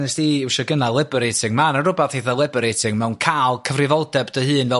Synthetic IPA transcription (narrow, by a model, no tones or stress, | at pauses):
nɛsd̥iwʃɔɡənalˠɪbɛɾejtʰɪŋmanərʊbaθheθalˠɪbɛɾejtʰɪŋmɛwnkʰaːlˠkʰəvrɪvɔlˠdɛbdəhɨːnvɛ